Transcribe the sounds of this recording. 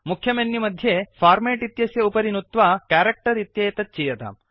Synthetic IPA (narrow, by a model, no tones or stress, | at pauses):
mukʰjɐmenjimɐd̪ʱjefpʰaːɾmeːʈit̪jɐsjɐupɐɾinut̪ʋaːkaːɾek̚ʈɐɾit̪jeːt̪ɐt̪̚t͡ʃijɐt̪ɐ̰m